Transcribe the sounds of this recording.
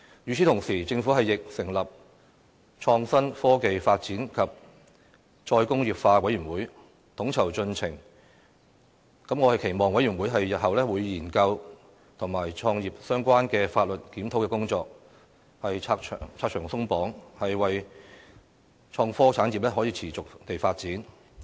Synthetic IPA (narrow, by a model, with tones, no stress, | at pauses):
jyː˨˩t͡sʰi˨˥t̪ʰʊ˨˩ŋsiː˨˩t͡sɪ˧ŋfuː˨˥hɐ˨jːɪ˨k̚sɪ˨˩ŋlɐ˨p̚ | t͡ʃʰɔː˧ŋsɐ˥nfɔː˥ke˨jfaː˧t̚t͡siː˨˥nkʰɐ˨p̚ | t͡ʃɔː˧jkʊ˥ŋjiː˨˩p̚faː˧wɐ˨˥jy˨˩nwuː˨˥j | t̪ʰʊ˨˥ŋt͡sʰɐ˨˩wt͡sɵ˧nt͡sʰɪ˨˩ŋ | kɐ˨˥mŋɔː˧hɐ˨jkʰe˨˩jmɔː˨˩ŋwɐ˨˥jɥyː˨˩nwu˨˥jɦɐ˨jːɐ˨t̚hɐ˨wlɛː˥wuː˨˧jjiː˨˩nkɐ˧w | t̪ʰʊ˨˩ŋmaː˨˩jt͡ʃʰɔː˧ŋjiː˨p̚sœː˥ŋkʷaː˥nkɛː˧faː˧t̚lɵ˨t̚kiː˨˥mt̪ʰo˨˥wkɛ˧kʊ˥ŋt͡sɔː˧k̚ | hɐ˨jʰaː˧k̚t͡ʃʰœ̰ː˨˩t͡sʰaː˧k̚t͡ʃʰœː˨˩sʊ˥ŋpɔː˨˥ŋhɐ˨jwɐ˨j | t͡ʃʰɔː˧ŋfɔː˥t͡sʰaː˨˥nji˨p̚lɛː˥ɦɔː˨˥jiː˧t͡sʰiː˨˩t͡sʊ˨k̚t̪e˨jfaː˧t̚t͡siː˨˥n